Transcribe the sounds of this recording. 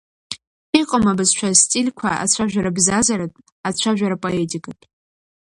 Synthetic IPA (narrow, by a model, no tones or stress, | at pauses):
iqʼəmabɨzt͡ʃʷʰastʼilʲkʷʰaa̰t͡ɕʷʰaʒᶣaɾabzazaɾatʼ | at͡ɕʷʰaʒᶣaɾapʼoe̞tʼikʼatʲʼ